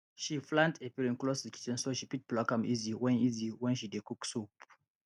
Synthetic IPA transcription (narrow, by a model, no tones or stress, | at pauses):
ʃiflãntʰepiɹĩnklosikʰi̥t͡ʃɛ̃nsoʃipit̚plakãmiziwɛ̃niziwɛ̃nʃidekuksup